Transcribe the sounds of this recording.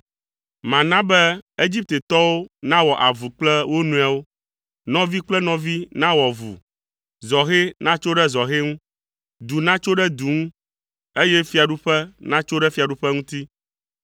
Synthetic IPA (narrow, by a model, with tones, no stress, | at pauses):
mã˨nã˦bɛ˦e˦d͡ʑi˦p̚t̪e˨t̪ɔ˦wo˦nã˦wɔ˨ʔa˨vu˨k͡plɛ˦wo˦nũ˨a˨wo˦ | nɔ̃˦vi˦k͡plɛ˦nɔ̃˨vi˦nã˦wɔ˨vṵ˨ | zɔ˨xe˦nã˦t͡ʃo˦ɖɛ˦zɔ˨xe˦ŋũ˦ | d̪u˨nã˦t͡ʃo˦ɖɛ˦d̪u˨ŋũ˦ | e˦jɛ˦fi˨˦a˨ɖu˦ɸɛ˦nã˦t͡ʃo˦ɖɛ˦fi˦a˨ɖu˦ɸɛ˦ŋũ˦t̪i˦